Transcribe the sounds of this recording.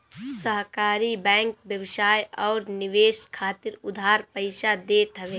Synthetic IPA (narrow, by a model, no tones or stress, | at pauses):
səɦkaːɾibɛ̃ːŋkbjəʋsaːjɔːɾnɪʋeːʃkʰaːt̪ɪɾʊd̪ʱaːɾpəɪʃad̪eːt̪ɦəʋeː